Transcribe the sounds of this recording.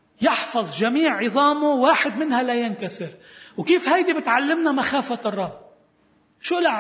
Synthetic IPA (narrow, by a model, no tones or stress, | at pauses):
jɪħfɑðˤʒamiːʕːɪðˤɑːmʊwaːħɪd̪mɪnhalajɪnkasɪɾwkiːfhajd̪ibɪt̪ʕalːɪmnamaxaːfarˤːɑb̚ | ʃuːla